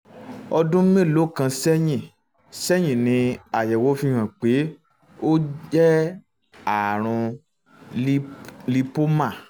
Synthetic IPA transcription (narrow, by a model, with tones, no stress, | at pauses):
ɔ˧dũ˦mẽ˦˨lo˨˦˨kã˧sɛ˦j̃ĩ˦˨ | sɛ˦j̃ĩ˦˨nĩ˧a˨jɛ˨wo˨˦fi˧˦hã˨k͡pe˨˦ | o˦d͡ʒɛ˦ | a˨ɾ̃ũ˧ | li˧po˦mã˦˨